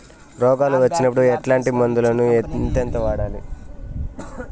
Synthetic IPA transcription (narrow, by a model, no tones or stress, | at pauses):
ɾɔːɡaːluʋɐt͡ʃːinɐpːuɽuɛʈlaːɳʈimɐnd̪ulɐnuent̪ɐnt̪ɐʋaːɽaːli